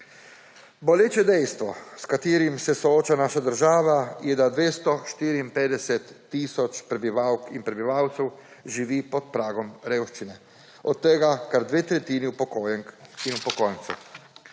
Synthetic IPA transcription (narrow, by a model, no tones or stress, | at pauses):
boljeːt͡ʃɛd̪ɛjst̪ʋɔ̰skat̪iːɾimsɛsooːt͡ʃanaːʃad̪əɾʒaːʋajɛd̪ad̪ʋeːst̪ɔʃt̪iːɾiːmpeːd̪ɛsɛt̪ːiːsɔt͡ʃpɾɛbiʋawkinpɾɛbiʋaːwt̪sɛw | ʒiʋiːpɔt̪pɾaːɡɔmɾeːwʃt͡ʃinɛ | ɔt̪ːɛɡakaɾd̪ʋeːt̪ɾɛt̪iːniupokoːjɛŋkinupɔkojnt̪sṵ